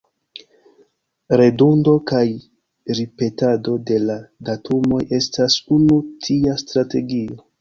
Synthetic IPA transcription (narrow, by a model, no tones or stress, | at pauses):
ɾe̞dundo̞kaj | ɾipe̞tado̞de̞ladatʰumo̞je̞stasunutʰiastɾate̞ɡio̞